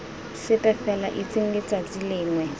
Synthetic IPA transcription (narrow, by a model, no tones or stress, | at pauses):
sɪpʼɛfɛla̰ʔit͡sʼeŋ̩ɡet͡sʼad͡zilɪːŋwɛ